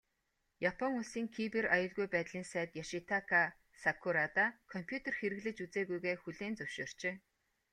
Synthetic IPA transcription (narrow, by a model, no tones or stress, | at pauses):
japʰɔŋuɮsiːŋkʰiperajʊɮɣujpæːt̪ɮiːnsæːt̪jaʃit̪ʰakʰa | sakʰuɾat̪akʰɔm̥pʰjut̪ʰerxeɾɘ̆ɣɮɘ̆t͡ɕut͡seːɣujɣeːxuɮeːnt͡sɵwʃoːr̥t͡ɕeː